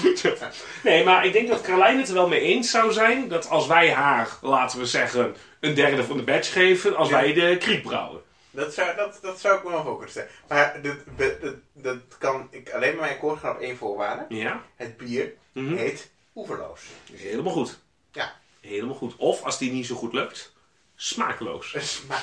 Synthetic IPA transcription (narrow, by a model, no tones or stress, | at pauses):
neːmarɪɡ̚dɪŋk̚dɔtkalɛjnətəʋɛlˠmejejnsawzɛjndɔtʰɑlˠsʋɛjɦaːrlaːtəʋəzɛɣən | əndɛrdəfvɑndəbɛχeːvənɑlˠsʋɛjdəkrik̚bra̰wə̰n | dɔtsdɔtdɔtsawɪk̚məmafoːlˠkønəsɛlmardəədətkɑnɪkaleːnmaɹmɛjnkoːrχanɔpeːnvʊːɹʋa̰ːrdəjahəd̚biːr̩ | ɦejt | uvəɹlo̰wsɦeləmalˠχut | ja | heləmalˠχutɔfɑsdinisowχutløk̚t | smaːklo̰ws